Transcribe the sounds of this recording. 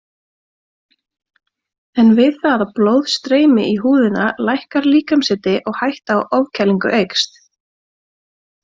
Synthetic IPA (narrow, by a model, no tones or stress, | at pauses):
ɛnvɪðθaðaploːwð̥st̪ɾeːjmɪ̰ʔiɦuːðɪnalajhkaɾliːkamsɪt̪ɪʔɔɣhajht̪aaːwʔɔvcʰɛlːiŋkʏ̰ʔejkst̪